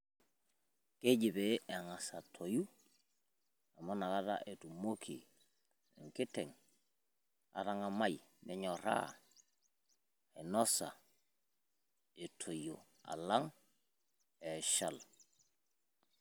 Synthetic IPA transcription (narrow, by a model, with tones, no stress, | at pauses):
ke˦ɟi˨be˨e˨ŋa˨sa˨tʰo˨ju˦ | a˨mo˦na˨ka˦ɾa̰˦ʔe˨tu˨mo˦kʰḭ˨ | ḛ˨ŋki˦te˨ŋ | a̰˨ɾa˦ŋa˨ma˦jmʔe˨ɲo˨ɾa̰˦ | e˨no˦sa̰˨ | e˨tʰo˨jo̰˨ | a̰˨la˦ŋ | e˨ʃa˦˨l